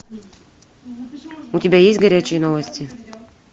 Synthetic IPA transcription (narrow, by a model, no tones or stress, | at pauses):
utʲɪbʲajesʲtʲɡɐɾʲæt͡ɕɪjənovəsʲtʲɪ